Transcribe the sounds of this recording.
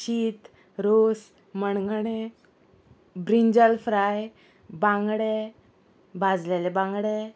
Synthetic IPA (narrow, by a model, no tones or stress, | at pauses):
ɕiːt̪ | ɾos | məɳɡɳe | bɾiɲd͡ʑəlfɾaj | bãŋɡɽe | bʱad͡zlelebãŋɡɽe